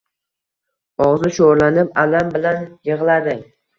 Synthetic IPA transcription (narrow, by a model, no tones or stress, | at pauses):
ɒʁzɪʃoɾlanɪpalambɪlanjɨʁlˠad̪ɪ